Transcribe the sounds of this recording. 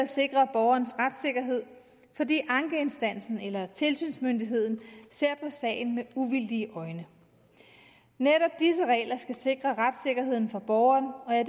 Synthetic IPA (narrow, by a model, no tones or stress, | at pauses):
æse̝ɡ̥ʁɐb̥ɒʊɐːnsʁad̥se̝ɡ̥ɐɦe̝ð̞̰ˠ | fɒ̽dḭːʔɑ̈ŋɡ̥əe̝nsd̥æn̰sn̩elɐt͡sʰe̝lsy̰ːnsmønd̥iɦe̝ð̰ˠn̩se̝ɐ̰pʰɒ̽sɛ̰ːɪn̩meuʋild̥iəʔɒ̽ɪnə | neɾɒ̽b̥̚d̥is̬əʁɛ̰ːlɐsɡ̥æse̝ɡ̥ʁɐʁad̥se̝ɡ̥ɐɦe̝ð̰ˠn̩fɑ̈b̥ɒːʊɐːnɒ̽æ